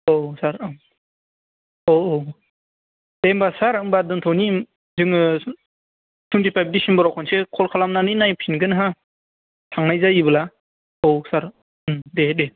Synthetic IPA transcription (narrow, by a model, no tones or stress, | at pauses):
osaɾɯm | o | d̥embasaɾɯmbadɯntʰɔwnim | zɯŋɯ | tʰuntʰipʰajb̚disimbɔɾakʰɔnsekʰɔlkʰalamnanɯnajpʰinɡɯnɦa | tʰaŋnajzajibɯla | owsaɾ | ɯmdede